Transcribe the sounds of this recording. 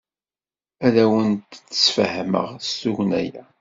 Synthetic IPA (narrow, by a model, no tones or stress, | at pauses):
æðæwənt̪t͡sːə̥sfhmə̰ʁst̪uʝnæjæ